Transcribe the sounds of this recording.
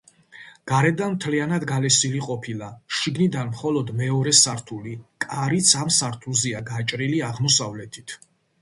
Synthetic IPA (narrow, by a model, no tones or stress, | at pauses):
ɡ̥aɾɛd̪anmt̪ʰlianad̪ɡalɛsiliqʼɔpʰilˠaʃiɡnid̪anmχɔlˠɔd̪mɛɔɾɛsaɾt̪ʰulikʼaɾit̪sʰamsaɾt̪ʰulziaɡat͡ʃʼɾiliaʁmɔsavlɛt̪ʰit̪ʰ